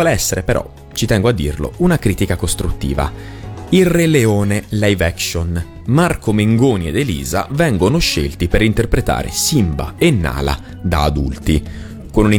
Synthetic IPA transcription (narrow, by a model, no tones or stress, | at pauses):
ɔːleɛsːeɾepeɾɔ̰ | t͡ʃit̪ɛŋɡoad̪ːḭrlo̰unakɾiːt̪ikakost̪ɾut̪ːḭːva̰ | ilreleoːnelejvɛkʃon | markomeŋɡoːnied̪elḭːza̰vɛŋɡonoʃelt̪ipeɾint̪erpɾet̪a̰ːɾḛsimba̰enːa̰ːla̰ | d̪aːd̪ṵlt̪i | konuni